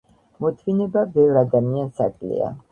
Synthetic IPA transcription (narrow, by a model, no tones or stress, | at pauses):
mɔt̪ʰvinɛbabɛvɾad̪amiansa̰kʼlḭa̰